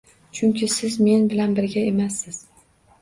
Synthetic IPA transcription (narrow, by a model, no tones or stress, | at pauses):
t͡ʃʰʊŋkʲʰɪsɪzme̞nbɪlanbɪɾɡʲae̞masːɪz̥